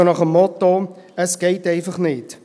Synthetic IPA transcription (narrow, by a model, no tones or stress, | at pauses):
ənɔχəmɔto | əskɛjtɛjfəχnit